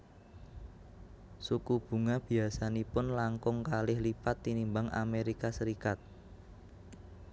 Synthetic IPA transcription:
sukub̥ṳŋab̥i̤asanipʊnlaŋkʊŋkalɪhlipat̪ːinimbaŋa̰meɾikasəɾikat̪̚

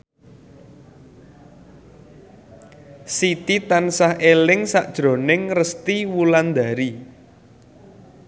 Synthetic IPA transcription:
sit̪it̪ansahelɪŋsaʔd̥ʒ̥ɾo̤nɪŋrəst̪iwuland̪a̤ɾi

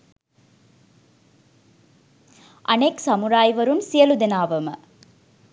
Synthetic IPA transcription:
ʔɐnɐksɐmuɾaːjʋɐɾɯmsijɐlud̪ɪnaːʋɐmɐ̰

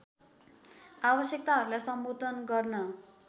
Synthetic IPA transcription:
abʌsjʌk̚t̪aɦʌɾulajsʌmbod̪ʱʌnɡʌrnʌ

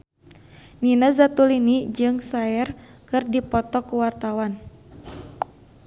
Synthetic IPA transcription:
ninazat̪ulinid͡ʒɨŋsaɛr | kɨrdipɔt̪ɔkuwart̪awan

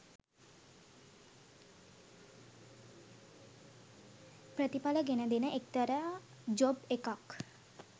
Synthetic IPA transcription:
pɾət̪ipaləɡenəd̪enəʔek̚t̪əɾə | d͡ʒobekak

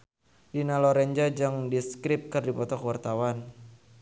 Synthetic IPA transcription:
dinalɔɾɛɲd͡ʒad͡ʒɨŋdiskɾɪp̚kɨrdipɔt̪ɔkəwart̪awan

